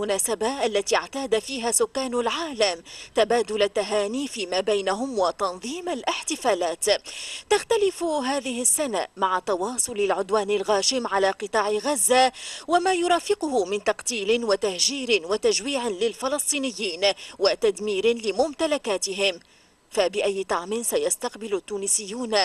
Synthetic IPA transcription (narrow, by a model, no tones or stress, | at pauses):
ʊnaːsabaʔalːat̪iːɪʕt̪aːd̪afiːɦaːsʊkːaːnʊlʕaːlamt̪abaːd̪ʊlat̪ːaɦaːniːfiːmaːbajnaɦʊmwat̪ɑnðˤiːmalʔɪħt̪ɪfaːlaːt̪t̪axt̪alɪfɦaːðɪɦɪsːana̰maʕat̪ɑwɑːsˤʊlalʕʊd̪waːnalɣaːʃɪmʕalaːqɨt̪ˤɑːʕɪɣazːawamaːjʊɾˤɑːfɪqʊhʊmɪnt̪ɑqt̪iːlɪnwat̪ahd͡ʒiːɾɪnwat̪aʒwiːʕɪlɪlfɪlɑsˤt̪ˤiːnɪjːiːnwat̪ad̪miːɾɪnlɪmʊmt̪alakaːt̪ɪɦɪm | fabɪʔajːɪt̪ˤɑʕmɪnsajast̪ɑqbɪlʊt̪ːuːnɪsɪjːuːn